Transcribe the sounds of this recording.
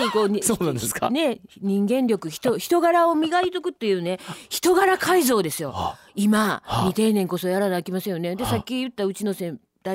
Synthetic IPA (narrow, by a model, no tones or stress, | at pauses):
iko̞ːɲsoːnãnd̪eska̰ne̞ɲ̟ĩŋɡẽ̞nɾʲo̞kɯ̟çi̥t̪oçi̥t̪o̞ɡaɾao̞mʲiɡaɾʲit̪okɯ̟t̪ːe̞jɯ̟ːne̞çi̥t̪o̞ɡaɾakaizo̞ːd̪e̞sɨjo̞̰ | imaɲ̟it̪e̞ːnẽ̞ŋko̞so̞jaɾanakʲimasej̃oned̪e̞sakʲːijɯ̟t̪ːaɯ̟t͡ɕino̞sẽ̞n | d̪a